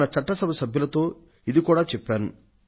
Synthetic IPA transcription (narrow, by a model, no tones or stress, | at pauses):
nɐt͡ʃɐʈːɐsɐbɐsɐbʱjulɐt̪o̞ː | id̪ikuːɽaːt͡ʃɛpːaːnu